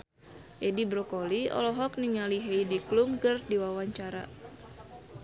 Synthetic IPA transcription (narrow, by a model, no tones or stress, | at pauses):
ʔedibɾɔkɔliɔ̰lɔɦɔk̚niŋaliɦeidiklumkɨrdiwawaɲt͡ʃaɾa